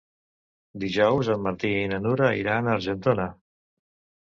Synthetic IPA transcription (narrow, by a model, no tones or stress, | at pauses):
d̪iʒɔwzəmːəɾt̪iɛinənuɾəḭɾanəɾʒənt̪onə